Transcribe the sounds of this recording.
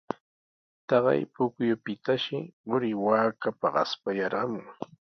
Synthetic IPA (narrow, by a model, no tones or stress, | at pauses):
t̪ɑɢɑ̰jpʊkjʊpɪt̪aʃɪɢʊɾɪwaːkapaɢɑ̰spajɑɾɢɑmʊŋ